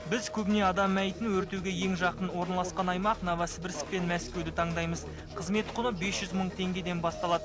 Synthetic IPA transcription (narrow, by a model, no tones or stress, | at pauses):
bɪzkʲʰɵbɪne̞ɑd̪ɑmːæjt̪ɪnwɵɾt̪ewɡʲe̞je̞ŋʒɑqənwo̞ɾnɑlˠɑsqɑnɑjmɑqnɑvɑsəbɪɾsɪ̥k̚pe̞nmæskʲe̞wd̪ɪt̪ʰɑɴd̪ɑjməz | qʰəzme̞t̪qʰʊnəbe̞sʒ̥ʏzməɴt̪ʰe̞ŋɡʲe̞d̪e̞nbɑst̪ɑlˠɑd̪ə